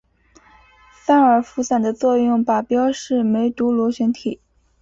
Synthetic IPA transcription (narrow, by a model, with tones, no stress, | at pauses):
fa˥nə˞˨˩fu˧˥sa˨˩nd̪ə˦t͡swɔ˥˧jʊ˥˩ŋpa˨˩pjɑ˥ʊʂɻ̩˥˩me˧˥ɪt̪u˧˥lɔ˧˥ɕɥɛ˧˥nt̪ʰi˨˩˦